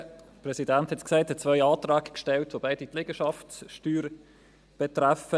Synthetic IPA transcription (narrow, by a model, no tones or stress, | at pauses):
pɾɛsidænthɛtsksæɪthɛt͡svœʏɑːtɾɑːɡkʃtɛltʋobaɪdit̪lɛɡəʃɑftsʃtyːɾ | b̥ɛtɾafə